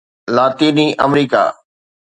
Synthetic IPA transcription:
laːt̪iːniʔɐmɾiːka̰ː

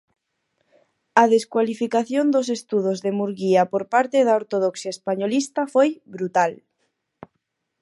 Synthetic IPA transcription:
aðeskwalifikaθjond̪os̬est̪uð̞ozðemuɾɣiapoɾpaɾt̪eðaoɾt̪oðoksjaespaɲolist̪afojβɾut̪al

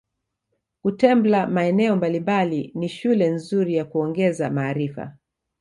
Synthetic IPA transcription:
kutɛmblamaɛnɛɔmbalimbaliniʃulɛnzuɾijakuɔŋɡɛzamaːɾifa̰

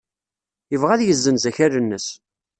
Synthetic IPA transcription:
jəvʁæðjəzːənzæçæɾənːəs

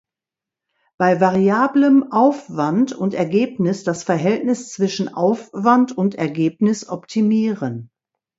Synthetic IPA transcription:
b̥aɪvaʁiaːbləmʔaʊfv̥antʊntɛɐɡeːpnɪsd̥asfɛɐɦɛltnɪst͡sv̥ɪʃn̩ʔa̰ʊfv̥antʰʊntɛɐɡeːpnɪsʔɔptʰimiːʁən

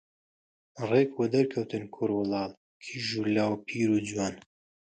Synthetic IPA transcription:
reːkwɐd̪ɐɾkʰɐwt̪ɨnkʰʊɾwʊlɑːl | kʰiʒulaːwpʰiːɾuːd͡ʒwaːn

